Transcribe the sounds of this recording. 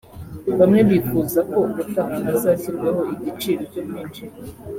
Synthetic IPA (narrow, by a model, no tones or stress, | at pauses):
βamŋe̞βifuzako̞kut̪aŋanasasiɾɡwehoiɟit͡ʃiːɾoco̞mjiːnʃi